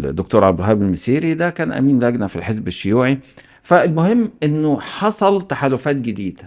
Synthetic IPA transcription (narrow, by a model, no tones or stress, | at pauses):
d̪ːok̚t̪uːɾʕabd̪ɾɦæːbelmesiːɾid̪ækæːnʔæ̰miːnlæɡnæfḭlħezbeʃːʊjuːʕi | fælmohemːʔenːoħɑsˤɑlt̪aħaːlofæːt̪̚ɡed̪iːd̪æ